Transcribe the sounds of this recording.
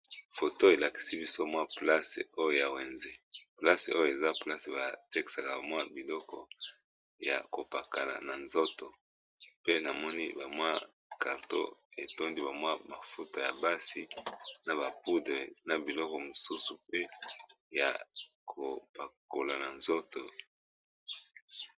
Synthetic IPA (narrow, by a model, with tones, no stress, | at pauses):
fo˨to˦e˨la˨ki̥˨si˦bi˦so˦mwa˦pla˦sḛ˨o˦jo˦ja˨we˨nze˦pla˦se˨o˦jo˦˨e˨za˦pla˦se˨ba˨te˦ki̥˨sa˨ka˨ba˨mwa˦bi˨lɔ˦kɔ˨ | ja̰˨ko˨pa˨ka˨la̰˨na˨nzo˦to˨ | pe˦na˨mɔ˦ni˦ba˨mwa˦ | ka˨ʁto̰˦e˨to˦ndi˦ba˨mwa˦ma˨fu˦ta˨ja˨ba˦si˦na˨ba˨pu˦de˨na˨bi˨lɔ˦kɔ˨mo˨su˦su˨pe˦ja̰˨ | kʰo˨pa˨ko˨la˨na˨nzo˦to˨